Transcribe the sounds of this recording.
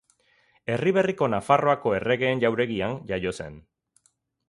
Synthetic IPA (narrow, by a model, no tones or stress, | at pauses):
e̞riβ̞e̞riko̞nafaro̞ako̞e̞re̞ɣe̞ːnʝawɾe̞ɣianʝajo̞se̞n